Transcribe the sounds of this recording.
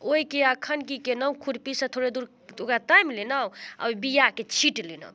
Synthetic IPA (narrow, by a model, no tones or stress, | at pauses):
oikeakʰənkikenəw̃kʰuɾpisə̃t̪ʰoɽed̪uɾ | okɾat̪ajmlenawa̰wbijaket͡ʃʰiʈlina̰w